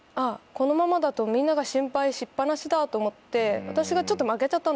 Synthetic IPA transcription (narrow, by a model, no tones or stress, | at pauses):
ako̞no̞mamad̪at̪o̞mʲĩnːaɡaɕĩmpaiɕipːanaɕid̪at̪o̞ːmo̞t̪ːe̞βat̪aɕiɡat͡ɕo̞t̪ːo̞make̞t͡ɕat̪ːan